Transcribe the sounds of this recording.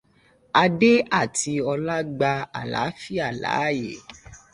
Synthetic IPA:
a˧de˦a˦˨ti˧ɔ˧la˦ɡ͡ba˧a̰˨la̰˨˦fi˦a˦˨la̰˨˦˨je˨˦

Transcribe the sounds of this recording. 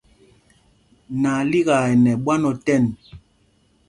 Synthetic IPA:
na˨li˦ɣa˨ɛ˨nɛ˨ɓwa˦nɔ˨tɛ˦˨n

